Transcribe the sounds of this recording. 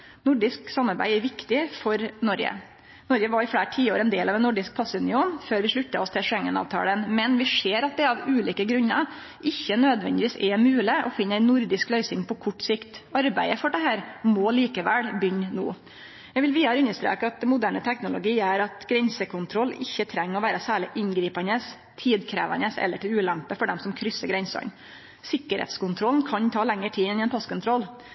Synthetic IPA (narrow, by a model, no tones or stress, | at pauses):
nʊɖɪsksɑmːɑɾbæ̰ɪɛɾʋɪkt̪ɪfɔɾnɔɾɡə̰ | nɔɾɡəʋɑɾɪflæːʈʰiːoːɾɛnd̪eːlɑʋɛnːʊɖɪsk̚pʰɑsːʉnɪuːnføːɾʋɪʂɭʉt̪ːəɔst̪ʰɪlʂɛŋːənɑ̰ːʋt̪ʰɑ̰ːlənmɛnʋɪʂeːɾɑt̪̚d̪ɛɑʋʉːliːkəɡɾʉnːə | ʔɪçːənøːd̪ʋɛ̰nd̪ɪʋiːsɛɾmʉːlɪʔɔfɪnːæɪnːʊɾd̪ɪsklœʏsɪŋpɔkʰʊʈːsɪkt̪ɑɾbæɪəfɔɖɛɦæːɾmɔliːkəʋælbʏɲːno̰ː | jɛɡʋɪlʋiːɑɾəʉnːəʂt̪ɾḛːkəɑt̪̚mʊd̪æːɳət̪ʰɛknʊlʊɡiːæɾɑt̪ɡɾɛnsəkʰʊnt̪ʰɾɔlːɪçːət̪ʰɾɛŋːɔʋæːɾəsæːɭɪʔɪnɡɾiːpɑnəs | t̪ʰiːd̪kʰɾḛːʋɑ̰nəsɛ̰lːəʈɪlʉːlæmpəfɔɖɛmsɔmkʰɾʏsːəɡɾɛnsɔ̰n | sɪkːəɾhḛːt̪skʊnt̪ʰɾɔlnkʰɑɲt̪ʰɑːlɛŋːəʈʰiːɪnɪɛnpʰɑskʊnt̪ʰɾɔl